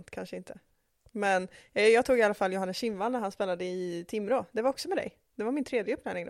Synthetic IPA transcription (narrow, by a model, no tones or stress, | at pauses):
t̪kʰanʂəɪnt̪ʰə | mɛnjɑːɡt̪ʰuːɡɪalːafalːjʊɦanːəsɕɪmvanːæɾɦhanspeːlad̪əɪt̪ʰɪmːɾoːd̪ɛvaɾɔksɔmɛd̪ɛ̰j | d̪̥ɛvaɾmɪnt̪ʰɾeːd̪jəɵpːnaɪnɪŋd̪